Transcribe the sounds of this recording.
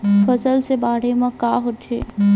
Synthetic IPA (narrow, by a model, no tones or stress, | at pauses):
fʰəsəlsebaːɽ̤emãkaːɦott͡ʃḛː